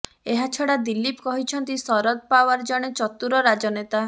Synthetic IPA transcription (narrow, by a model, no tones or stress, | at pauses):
eɦat͡ʃʰɔɽad̪ilːipkɔɦit͡ʃʰɔnt̪isɔɾɔd̪̚pawaɾd͡ʒɔɽ̃et͡ʃɔt̪uɾɔɾad͡ʒɔnet̪a